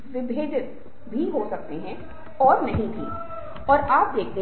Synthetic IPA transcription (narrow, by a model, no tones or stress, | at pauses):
ʋɪbʱeːd̪ɪt̪ | bʱiɦosɐk̚t̪eɦɛ̃ | ɔːɾnɐɦĩb̪ʱʰḭ | ɔːɾaːp̚d̪eːkʰne